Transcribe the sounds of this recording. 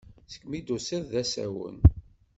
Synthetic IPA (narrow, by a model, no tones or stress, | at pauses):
θə̥kːmid̪usɪððæsæ̰wə̰n